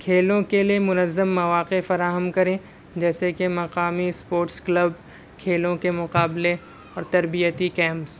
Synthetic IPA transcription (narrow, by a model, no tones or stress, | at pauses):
kʰeːlõkeliemʊnəzːəmːɐʋaːqefɐɾaːɦəmkɐɾẽː | d͡ʒɛːsekemɐqaːmispoːɾʈsklɐb | kʰeːlõkemʊqaːble | ɔːɾt̪ɐɾbijət̪ikɛ̃ːmps